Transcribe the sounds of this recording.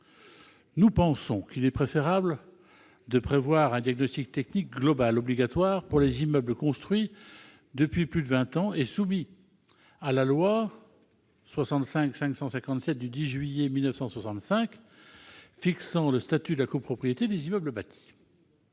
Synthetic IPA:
nupɑ̃sɔ̃kilɛpχefeʁabl | d̪əpχevwaʁɛ̃d̪jaɡ̚nɔst̪ik̚t̪ɛknik̚ɡlɔbalɔbliɡat̪waʁpuʁlezimœblkɔ̃st̪χɥi | d̪əpɥiplyd̪əvɛ̃t̪ɑ̃esumi | alalwa | swasɑ̃t̪sɛ̃ksɛ̃ksɑ̃sɛ̃kɑ̃t̪sɛt̪̚d̪yd̪iʒɥijemilnəfsɑ̃swasɑ̃t̪sɛ̃k | fiksɑ̃ləst̪at̪yd̪əlakopχɔpχijet̪ed̪ezimœbləbat̪ʰi̥

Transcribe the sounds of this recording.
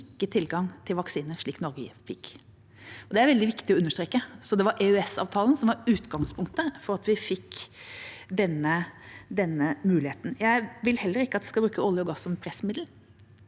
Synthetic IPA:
ɪkːət̪ʰɪlɡɑŋt̪ʰɪlʋɑksiːnəɾʂɭiːknɔɾɡəfɪkː | ɔd̪ɛæɾʋɛld̪ɪʋɪkt̪ɪɔʉnːəʂt̪ɾeːkəsɔd̪ɛʋɑɾʔɛœɛsɑ̰ʋt̪ʰɑːlənsɔmʋɑɾʉːt̪ɡɑŋspʰʊŋkt̪əfɔɾɑt̪ʋɪfɪkː | d̪ɛnːəd̪ɛnːəmʉːlɪheːt̪n̩jæɪʋɪlhɛlːəɾɪkːəɑt̪ʋɪskɑbɾʉːkəɔlːɪɔɡɑsːɔmɛnpʰɾɛsːmɪd̪l̩

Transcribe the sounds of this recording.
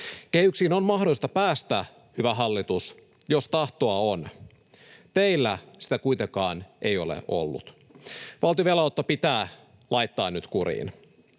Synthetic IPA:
kehyksiːnonmɑhdolist̪ɑpæːst̪æ | hyʋæɦɑlːit̪us | jost̪ɑht̪oɑon | t̪eilːæsi̥t̪ækujt̪ekɑːne̞jolḛʔo̰lːṵt̪ | ʋɑlt̪ioʋelɑwt̪ːopit̪æː | lʔɑjt̪ːɑːnnyt̪kuɾḭːn

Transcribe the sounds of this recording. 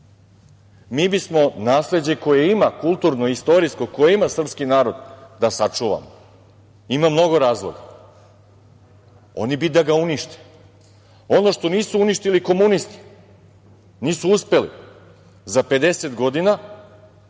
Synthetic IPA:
miːbismo̞naːsle̞d͡ʑe̞ko̞jeimakulˠt̪uɾnoist̪o̞ɾisko̞ko̞jeimasr̩pskinaːɾo̞d̪d̪asat͡ʂuʋa̰mo | imamno̞ɡo̞ɾaːzlˠo̞̰ɡa | o̞̰nibid̪aɡauniʃt̪e̥ | o̞no̞ʃt̪o̞niːsuuniʃt̪iliko̞munist̪i̥ | niːsuuspe̞lḭ | zape̞d̪e̞se̞t̪ɡo̞d̪ina

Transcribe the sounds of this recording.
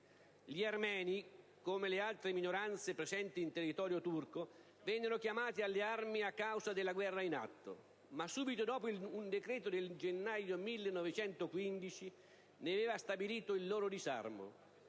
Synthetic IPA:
ʎiarmɛːni | komelealt̪ɾeminoɾant̪sepɾesɛnt̪iːnt̪erːit̪ɔːɾjot̪urko | vɛnːeɾokjamaːt̪ialːearmiakːawzad̪elːaɡwɛrːaina̰t̪ːo̰ | masːuːbit̪od̪ɔːpoiund̪ekɾɛːt̪od̪eld͡ʒenːajomilːenɔvet͡ʃɛnt̪okwind̪it͡ʃi | neaveːvast̪abiliːt̪oilːoːɾod̪iza̰rmo̰

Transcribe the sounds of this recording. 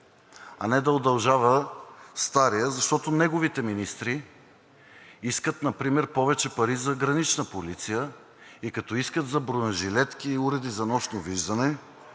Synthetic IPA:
ɐ̰nɛd̪ɐod̪ɐlˠʒavəst̪aɾijəzɐʃt̪ɔt̪onɛɡovit̪ɛminist̪ɾi | iskət̪nɐpɾimɛɾpɔvɛt͡ʃɛpɐɾizɐɡɾɐnit͡ʃnəpolit̪sijə | ikɐt̪ɔiskət̪zɐbɾonɐʒilɛt̪kiːuɾɛd̪izɐnɔʃnoviʒd̪ɐnɛ

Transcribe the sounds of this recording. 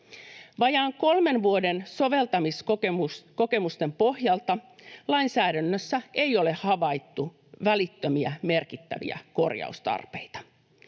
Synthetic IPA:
ʋɑjɑːŋko̞lme̞nʋuodensoʋe̞lt̪ɑmiskoeusko̞ke̞must̪e̞mpo̞hjɑlt̪ɑlɑjnsæːdænːøsːæejo̞le̞hɑʋɑjt̪ːu | ʋælit̪ːømiæme̞rkit̪ːæ̰ʋḭæ̰ko̞̰rjɑ̰ust̪ɑ̰rpejt̪ɑ̥

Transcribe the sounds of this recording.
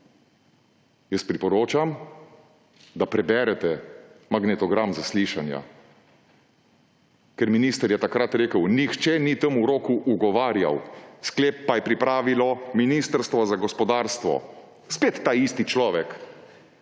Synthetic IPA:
jəspɾipɔɾoːt͡ʃam | d̪apɾɛbɛɾɛt̪ɛmaɡnɛt̪ɔɡɾamzasliːʃanja̰ | kɛɾminiːst̪əɾjɛt̪akɾat̪ɾeːkəwnixt͡ʃɛnit̪əmuɾoːkuʔuɡɔʋaːɾja̰wskleːp̚ːajɛpɾipɾaːʋilɔminiːst̪əɾst̪ʋɔzaɡɔspɔd̪aːɾst̪ʋɔ̰ | speːt̪ːaːist̪it͡ʃlɔːʋɛk

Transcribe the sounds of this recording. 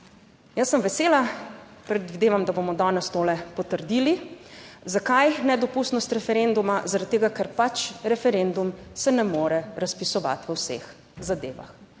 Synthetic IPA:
jəsːəmʋɛseːlapɾɛd̪ʋid̪eːʋamd̪abomɔd̪ɔnɛst̪oːlɛpɔt̪əɾd̪ili | zakajnɛd̪ɔpust̪nɔst̪ɾɛfɛɾend̪umazaɾad̪̚t̪ːeːɡakɛɾpat͡ʃɾɛfɛɾend̪umsɛnɛmoːɾɛɾaspisɔʋa̰t̪ʋəwsḛx | zad̪eːʋa̰x

